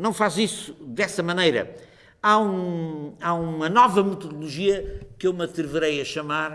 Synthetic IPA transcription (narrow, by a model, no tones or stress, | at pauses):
nɐ̃w̃fazisu̥d̪ɛsɐmɐnejɾɐ̰ | aũaũmɐnɔvɐmɨt̪uðulˠuʒiɐkewmɐt̪ɾɨvɨɾejɐʃɐmaɾ